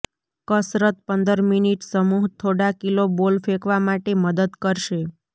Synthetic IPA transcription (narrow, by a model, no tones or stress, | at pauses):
kəsɾət̪̚pənd̪əɾminiʈsəmuɦt̪ʰoɽakilobolfekʰʋamaʈeməd̪əd̪kəɾʃe